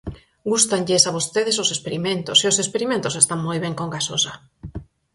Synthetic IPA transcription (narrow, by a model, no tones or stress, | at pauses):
ɡust̪aŋʎesaβost̪eðesosespeɾimẽnt̪oseosespeɾimẽnt̪osest̪aŋmojβeŋkoŋɡasosa